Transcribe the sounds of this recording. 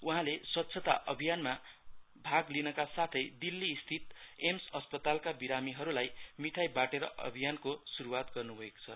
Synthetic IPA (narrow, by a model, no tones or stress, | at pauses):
uɦãleswʌt̪ːsʰʌt̪a̰ʔʌbʱijanma | bʱaɡlinʌkasat̪ʰʌjd̪ilːiːst̪ʰit̪emsʌspʌt̪alkabiɾamiɦʌɾulajmiʈʰajbaʈeɾʌ̰ʔʌ̰bʱijankosuɾuwat̪ɡʌrnubʱʌeko̥t͡sʰʌ